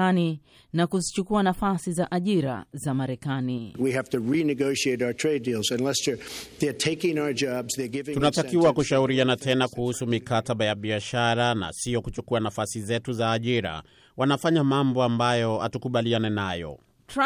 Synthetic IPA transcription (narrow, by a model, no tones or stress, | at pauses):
ani | nakuzit͡ʃukuanafasizaʔaʄiɾa̰zamaɾɛkaniwiɦæftɨɹinɨɡoʊʃieɪɾaʊə˞tʰɹ̥eɪdilˠzɨ̃nlɛsə˞ðə˞tʰeɪkɪ̃ŋaʊə˞d͡ʒɑbz̥ðə˞ɡɪvɪ̃tunatakiwakuʃauɾianatɛnakuhusumikataɓajaɓiaʃaɾana̰sijɔkut͡ʃukuanafasizɛtuzaːʄiɾa̰ | wanafaɲamambɔambajɔa̰tukuɓalianɛnajɔ̰ | t